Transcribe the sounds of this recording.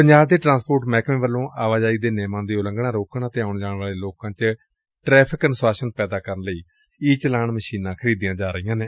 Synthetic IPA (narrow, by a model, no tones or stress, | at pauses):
pəɲd͡ʒaːbd̪eːʈɾãːnspoːɾʈmɛːkmẽːʋəlːõːʔaːʋaːd͡ʒaːiːd̪eːnɛːmãːd̪eːʊləŋɡɽãːɾoːkɳaːt̪ẽːaːʊɳd͡ʒaːɽʋaːleːloːkãːt͡ʃ | ʈɾɛːpʰɪkənswaːʃənpɛːd̪aːkəɾənləiː | iːt͡ʃəlaːɳməʃiːnãːkʰəɾiːd̪ijãːd͡ʒaːɾəijãːnẽː